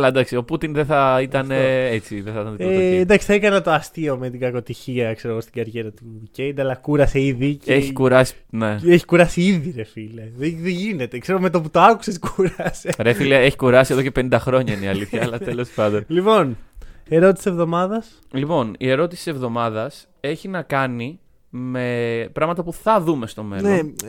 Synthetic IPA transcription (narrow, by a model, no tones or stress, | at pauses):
ɐlɐend̪ɐksio̞put̪inðeθɐit̪ɐneet͡siðeθɐit̪ɐnðiend̪ɐksi̥θɐekɐnɐt̪o̞ɐst̪io̞met̪iɡɐko̞t̪içiɐkse̞ɾoɣost̪iɡɐɾʝe̞ɾɐt̪uicejd̪ɐlɐkuɾɐse̞iðiceçikuɾɐsi̥neeçi̥kuɾɐsiiðiɾe̞fileðitiʝine̞t̪ekseɾome̞t̪oput̪oɐku̥seskuɾɐseɾefilee̞çi̥kuɾɐsieðo̞ce̞penind̪ɐxɾo̞ɲɐineiɐliθçɐːlɐt̪elo̞spɐnd̪onlipo̞neɾot̪isi̥sevðo̞mɐðɐs | lipo̞nie̞ɾo̞t̪isi̥sevðo̞mɐðɐs | e̞çinɐkɐni | me̞pɾɐɣmɐt̪ɐpuθɐðume̞st̪o̞me̞̰noe